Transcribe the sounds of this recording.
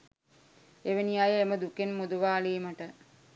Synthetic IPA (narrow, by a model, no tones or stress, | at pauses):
eʋənijajəeməd̪ukenmud̪uʋaːliːməʈə